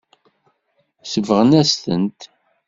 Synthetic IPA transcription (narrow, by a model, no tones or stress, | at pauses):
səvəʁənæst̪ə̰nt̪